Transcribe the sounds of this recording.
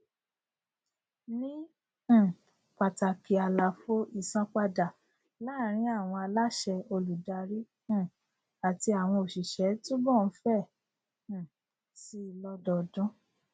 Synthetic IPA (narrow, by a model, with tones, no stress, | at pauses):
nĩ˦˨ | k͡pa˨ta˨ki˨a˨la˨fo˦ʔi˦˨sã˧k͡pa˧da˨ | la˦ɾ̃ĩ˨˦a˦˨w̃ɔ̃˧a˧la˦ʃɛ˧o˧lu˨da˧ɾĩ˦˨ | a˨ti˧a˨w̃ɔ̃˧o˨ʃi˨ʃɛ˨˦tũ˦bɔ˦˨n̩˦fɛ̃˦˨ | si˧˦i˨lɔ˧dɔ˨dɔ̃˦